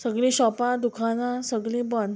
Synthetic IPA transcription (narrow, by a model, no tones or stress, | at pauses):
səɡɭĩɕɔpãd̪ukʰãnasəɡɭĩbən